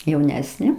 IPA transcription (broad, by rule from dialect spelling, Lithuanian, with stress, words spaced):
jɛʊˈnʲæːsʲnʲeː